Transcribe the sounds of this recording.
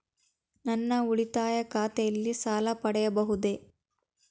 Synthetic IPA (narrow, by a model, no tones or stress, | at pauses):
nɐnːɐuɭit̪aːjɐkaːt̪ɛjɐlːisaːlɐpɐɽɛjɐbɐɦud̪e̞